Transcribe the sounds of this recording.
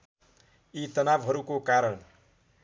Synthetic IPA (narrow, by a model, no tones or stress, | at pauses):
it̪ʌnabɦʌɾukokaɾʌn